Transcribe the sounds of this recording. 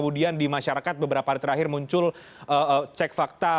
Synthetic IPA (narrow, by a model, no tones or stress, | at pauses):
əmudiandimaʃaɾakat̪̚bəbəɾapaaɾit̪əɾaɦɪrmuɲt͡ʃʊl | əət͡ʃɛk̚fak̚t̪a